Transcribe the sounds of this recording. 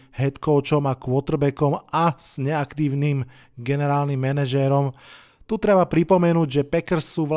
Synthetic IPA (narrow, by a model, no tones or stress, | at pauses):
ɦɛt̪kɔʊt͡ʃɔmakʋʊɔt̪r̩bɛkɔmaz̥ɲɛakt̪iːʊnim | ɡɛnɛɾaːlnimːɛnɛʒɛɾɔm | t̪ut̪ɾɛbapɾipɔmɛnuːɟʒɛpɛkɾsuːʋ